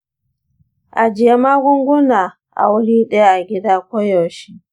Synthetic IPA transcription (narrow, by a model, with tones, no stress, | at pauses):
ʔa˨d͡ʒɪ˨ja˦maː˦ɡʷʊ˦ŋɡʷʊ˦naː˨ | ʔa̰˨wʊ˦ɽiː˦ɗɐ˦ja˦ʔa˨ɡʲɪ˦daː˦kʷo˦jɔ˨ʃi˦ʔ